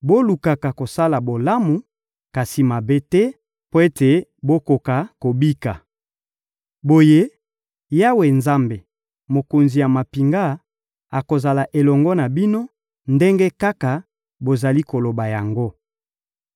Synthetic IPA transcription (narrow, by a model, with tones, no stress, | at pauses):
bo˦lu˨ka˨ka˨ko˨sa˦la˨bo˨la˦mu˨ | ka˨si˨ma˨be˦tɛ˦ | po˦e˦te˨bo˦ko˨ka˨ko˨bi˦ka˨ | bo˨je˦ | ja˦we˨nza˦mbe˨ | mo˨ko˨nzi˨ja˨ma˨pi˨ŋɡa˦ | a˨ko˨za˨la˨ʔe˨lɔ˨ŋɡɔ˦na˨bi˦no˦ | nde˦ŋɡɛ˦ka˦ka˨ | bo˨za˨li˦ko˨lo˨ba˨ja˨ŋɡo˦